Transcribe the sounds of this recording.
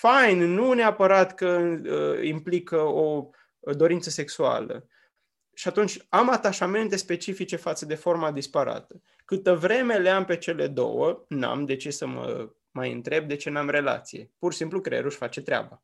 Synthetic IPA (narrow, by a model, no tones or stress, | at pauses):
fajnnuneapəɾat̪kə | implikəo | d̪o̞ɾint̪səse̞ksua̰lə̰ | ʃiat̪unt͡ʃʲamat̪aʃame̞nt̪e̞spe̞t͡ʃifit͡ʃe̞fat̪səd̪e̞fo̞rmad̪ispaɾa̰t̪ə̥ | kɨt̪əvɾe̞me̞leampe̞t͡ʃe̞le̞d̪o̰wəna̰md̪e̞t͡ʃissəmə̰ | majɨ̰nt̪ɾe̞b̚d̪e̞t͡ʃe̞namre̞la̰t̪sije̞̰pursimplukɾeḛɾuʃʲfat͡ʃe̞t̪ɾea̰ba